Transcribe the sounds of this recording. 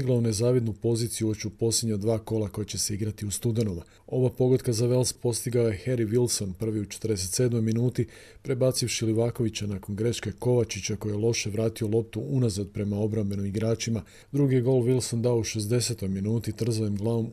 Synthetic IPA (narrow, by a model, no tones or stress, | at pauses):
iɡlˠaune̞zaːʋid̪nupo̞ziːt̪sijuʋet͡ɕupo̞slʲe̞d̪ɲad̪ʋaːko̞lako̞jat͡ɕe̞se̞iɡɾat̪iust̪ud̪e̞noʋa | o̞ʋapo̞ɡod̪kazaʋe̞lspo̞st̪iɡaoje̞xe̞ɾiʋilso̞npr̩ʋiut͡ʃe̥t̪ərd̪e̞se̞t̪se̞ːd̪mo̞jminuːt̪ipɾe̞baːt̪sifʃiliʋaːko̞ʋit͡ɕanako̞nɡɾe̞ʃke̞ko̞ʋat͡ʃit͡ɕako̞jijelˠo̞ʃe̞ʋɾaːt̪io̞lˠo̞p̚t̪uʔunazad̪̚pɾe̞mao̞bɾambe̞nomiɡɾaːt͡ʃima | d̪ɾuɡijeɡo̞ːlˠʋilˠso̞nd̪aouʃe̞zd̪e̞se̞t̪o̞jminuːt̪it̪r̩zajimɡlˠaʋo̞m